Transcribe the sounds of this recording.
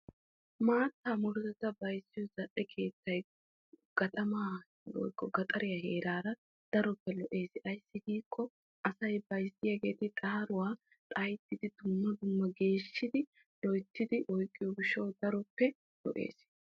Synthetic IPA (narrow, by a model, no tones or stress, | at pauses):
maːt̪ːaːmʊɾzɛt̪ɐbɐjsːɪjɔzɐʔɛkʰe̞ːt̪ːɐj | ɡ̥ɐt̪ʼɐmaː | ɔ̰jkːɔɡɐt̪ʼɐɾɪjɐheːɾaːɾɐ | d̪̥ɐɾɔpːɛlɔʔe̞ːsʔɐjsːɪɡiːkːɔ | ɐsɐjbɐjsɪjɐɡe̞̰ːt̪ɪt̪ʼɐhɐɾʊwaː | t̪ʼajt̪ːɪd̪ɪt̪ʊmːɐd̪ʊmːɐɡe̞ːʃːɪd̪ɪ | lɔjt̪ːɪd̪ɪʔɔjkʼːɪjɔɡɪʃɐwd̪ɐɾɔpːɛ | lɔ̰ʔe̞̰ːs